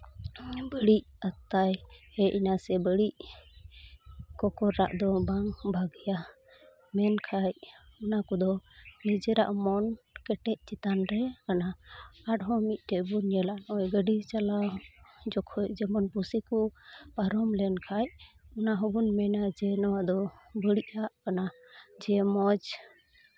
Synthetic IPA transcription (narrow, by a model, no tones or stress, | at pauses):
bəɽic̚at̪ajhɛʔinasɛbəɽic̚ | kɔkɔɾːa̰ʔd̪ɔbaŋbʱaɡija | mɛnkʰajɔnakɔd̪ɔnid͡ʒɛɾaʔmɔnkɛʈɛc̚t͡ʃit̪anɾɛkanaaʈɦɔmic̪̚ˀʈɛbunjɛlaʔnʔɔjɡəɖit͡ʃalad͡ʒɔkʰɔjd͡ʒɛmɔnpusikupaɾɔmlɛnkʰajɔnaɦɔbunmɛnad͡ʒɛnɔwad̪ɔbəɽiʔaʔkana | d͡ʒɛmɔd͡ʒ